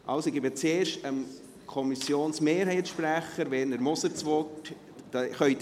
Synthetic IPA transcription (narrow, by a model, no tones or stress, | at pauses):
ʔɑ̰lsoɡɪbət͡seːɾʃtəm | kʰɔmisjoːnsmeːɾɦɛɪtʃpɾæχəɾʋɛːɾnəɾmʊsət͡sʋɔt | d̥ɑχœʏt